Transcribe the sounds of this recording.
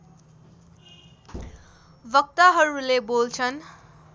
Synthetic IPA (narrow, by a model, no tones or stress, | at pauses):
bʌk̚t̪aɦʌɾulebolt͡sʰʌn